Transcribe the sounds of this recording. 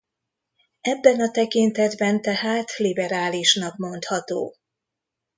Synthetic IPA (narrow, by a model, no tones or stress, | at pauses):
ɛbːɛnɒt̪ɛkint̪ɛd̪bɛnt̪ɛhaːt̪libɛɾaːliʃnɒkmo̞nt̪hɒt̪o̰ː